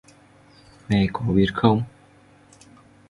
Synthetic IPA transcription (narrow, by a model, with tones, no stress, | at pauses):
mɛ˨˩kɔ˨˦ɓi˨˩ət̚xə˧wŋ͡m